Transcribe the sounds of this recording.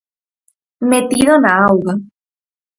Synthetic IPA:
met̪iðonaawɣa

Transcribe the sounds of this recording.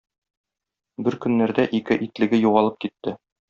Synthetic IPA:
bɘɾkɵ̆nːæɾd̪æʔikɘʔit̪lɘ̆ɡɘjuʁɑlˠɤp̚kit̪ːɘ

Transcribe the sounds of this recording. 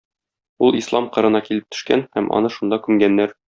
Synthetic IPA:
ulˠislˠɑmqɤ̆ɾɤ̆nɑkilɘp̚t̪ʰɵ̥̆ʃkænhæmʔɒ̰nɤʃund̪ɑkʉmɡænːæɾ

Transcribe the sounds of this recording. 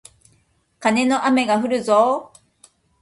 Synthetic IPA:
kane̞no̞ʔame̞ɡaɸɯ̟ɾɯ̟zo

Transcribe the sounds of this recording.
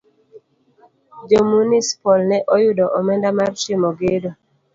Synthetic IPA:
d͡ʒomunispɔlnɛʔɔjʊdɔʔɔmɛndamart͡ʃemoɡedo

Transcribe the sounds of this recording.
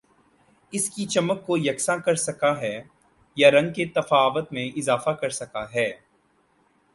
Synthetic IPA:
ɪskit͡ʃɐməkːojɐksãkɐɾsɐkaɦɛː | jaɾɐ̃ŋɡ̚ket̪ɐfaːʋət̪mẽʔɪzaːfakɐɾsɐkaɦɛː

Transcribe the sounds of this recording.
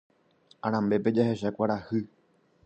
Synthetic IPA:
ãɾ̃ãmbe̞pe̞d͡ʒahe̞ʃakʷaɾahɨ

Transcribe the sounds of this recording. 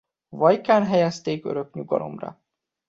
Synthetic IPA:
vɒjkaːnɦɛjɛst̪eːkø̰ɾø̞kɲuɡɒ̰lo̞̰mrɒ̰

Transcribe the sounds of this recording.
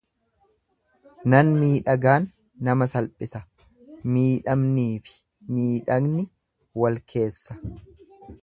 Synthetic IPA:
nɐnmiːᶑɐɡaːnː | ɐmɐsɐlpʼɪsɐ | miːᶑɐmniːfɪ̥ | miːᶑɐɡnɪ | wɐlkʰe̞ːsːɐ̥

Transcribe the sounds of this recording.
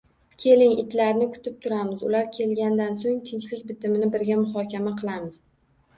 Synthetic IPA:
kʲʰe̞lɪŋɪ̰t̪ʰlaɾnɪkʰʊ̥t̪ʰɪp̚t̪ʰʊɾamɪzʊ̰laɾkʲʰe̞lɡʲand̪ansoŋt̪ʰɪnt͡ʃlɪkʲbɪt̪ʰɪmɪnɪbɪɾɡʲamʊɦɒkʲamaqʰɨlˠamɪz̥

